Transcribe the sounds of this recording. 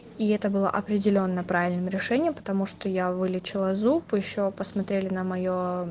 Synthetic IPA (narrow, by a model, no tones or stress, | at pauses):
iɛt̪əbɨlˠə̰ʔɐpɾʲɪdʲɪlʲo̞nːəpɾavʲɪlʲnɨmɾʲɪʂɛnʲɪjəmpə̥t̪ɐmuʂt̪ojavɨlʲɪt͡ɕɪlˠəzupjɪɕːopəsmɐt̪ɾʲelʲɪnəmɐjo